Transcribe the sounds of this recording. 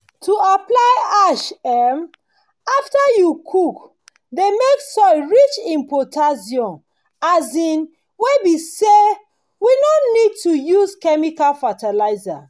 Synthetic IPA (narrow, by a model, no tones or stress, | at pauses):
tʰuaplaɪaʃɛm | aftajukʰuk | demeksɔɪɹit͡ʃĩmpɔtʰaziɔ̃n | azĩn | webise | winonid̚tujuzkɛmikalfatalaɪza̰